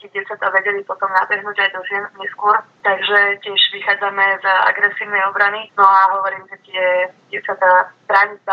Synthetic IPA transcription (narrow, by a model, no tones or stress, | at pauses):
t̪ɪɛɟɪɛt͡sat̪aʋɛɟɛlipɔt̪ɔmnabɛɦnuːɟajd̪ɔzɪɛnɲɛskʊɔɾt̪aɡʒɛcɪɛʒʋixaːd͡zamɛza̰ɡɾɛsiːʊnɛjɔbɾaninɔaɦɔʋɔɾiːmʒɛt̪ɪɛɟɪɛt͡sat̪apɾaʋit͡s̪a